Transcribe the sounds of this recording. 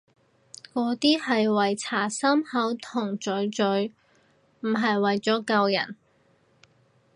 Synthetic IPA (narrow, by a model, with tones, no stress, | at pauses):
kɔː˨˥t̪iː˥hɐ˨jwɐ˨jt͡sʰaː˨˩sɐ˥mhɐ˨˥wt̪ʰʊ˨˩ŋt͡sɵ˨˥ɥt͡sɵ˨˥ɥ | m̩˨˩ɦɐ˨jwɐ˨jt͡sɔː˨˥kɐ˧wjɐ̰˨˩n